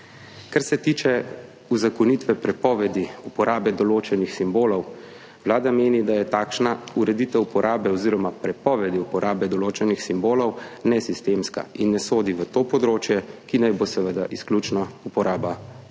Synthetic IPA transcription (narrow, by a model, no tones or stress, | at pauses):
kaɾsɛt̪iːt͡ʃɛ | uzakɔnit̪ʋɛpɾɛpɔːʋɛd̪iupɔɾʔaːbɛd̪ɔloːt͡ʃɛnixsimboːlɔw | wlaːd̪ameːnid̪ajɛt̪aːkʃnauɾɛd̪iːt̪ɛwupɔɾʔaːbɛɔziːɾɔmapɾɛpɔʋɛd̪iupɔɾʔaːbɛd̪ɔloːt͡ʃɛnixsimboːlɔwnɛsist̪eːmska̰inːɛsoːd̪iʋət̪oːpɔd̪ɾoːt͡ʃjɛkinajbosɛʋəd̪aʔisklut͡ʃnɔupɔɾaːba